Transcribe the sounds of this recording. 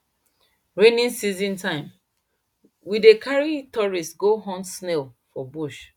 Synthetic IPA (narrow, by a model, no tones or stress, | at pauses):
ɹenĩnsizĩntãɪ̃m | widekʰaɹitɔɹistɡoɦɔ̃nsnelfɔbuʃ